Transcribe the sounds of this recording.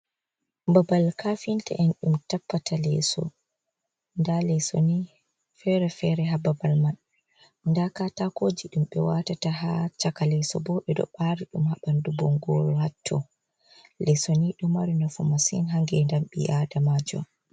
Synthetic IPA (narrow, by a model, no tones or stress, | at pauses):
mbabalkafinta̰ʔɛnɗumtapːatalɛ̰sɔ̰ | ndalɛsoni | fɛɾɛfɛɾɛɦababalman | ndakatakoːd͡ʒiɗumɓɛwatatahat͡ʃakalɛsɔ̰bɔɓɛdɔ̰ɓaɾiɗumhaɓandubɔŋɡɔ̰ːɾɔhatʰːɔ̰ | lɛsoniɗɔmaɾinɔfɔmasḭnɦaŋɡɛndamɓḭadamaːd͡ʒɔ̰